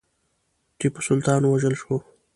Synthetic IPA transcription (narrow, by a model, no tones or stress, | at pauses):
ʈipsʊlt̪ɑnwaʒəlʃo